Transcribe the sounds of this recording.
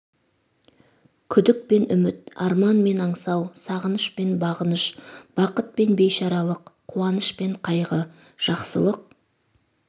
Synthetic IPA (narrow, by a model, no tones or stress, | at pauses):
kʲʰʏd̪ɪk̚pe̞nʏmɪt̪̚ɑɾmɑnme̞nɑɴsɑwsɑʁənəʃpe̞nbɑʁənəʃb̥ɑqət̪̚pe̞nbe̞jʃɑɾɑlˠəqʰːuwɑnəʃpe̞ɴqʰɑjʁə | ʒ̥ɑqsə̰lˠəq̚